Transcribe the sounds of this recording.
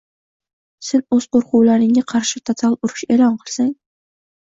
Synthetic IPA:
sɪnɵz̥qʰoɾqʊwlaɾɪŋʲaqʰɑɾʃɪt̪ʰot̪ʰalˠʊɾʊʃe̞lˠɒnqʰɨlˠsaŋ

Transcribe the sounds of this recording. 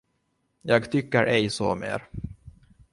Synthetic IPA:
jɑːɡt̪ʰʏkːəɾʔɛjsɔ̰mḛːɾ

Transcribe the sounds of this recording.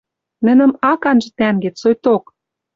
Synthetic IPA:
nɘ̆nə̆mɑkɑnʒɤ̆t̪æŋɡĕsojt̪ok

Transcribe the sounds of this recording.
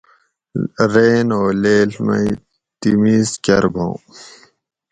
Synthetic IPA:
ɾeːnoːleːlmɐ̰i | t̪imiːzkɐɾbʱõ̰ː

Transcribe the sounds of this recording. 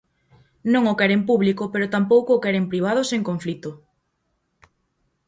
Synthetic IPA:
nõŋokɛɾempuβlikʊpeɾʊt̪ampowkʊːkɛɾempɾiβ̞að̞ʊseŋkoɱflit̪ʊ

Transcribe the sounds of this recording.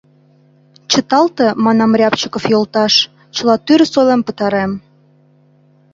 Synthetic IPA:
t͡ɕə̆t̪ɑlt̪ɤ̆mɑnɑmrʲɑpt͡ɕəkofjolt̪ɑʃ | t͡ɕə̆lɑt̪yɾsojlempə̆t̪ɑɾem

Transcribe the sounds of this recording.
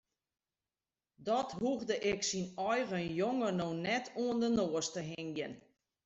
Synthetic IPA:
dɔtɦuɣdəʔɪksinɔjɣəjoŋənonɛtʰuəndənoːəstəɦɪŋjən

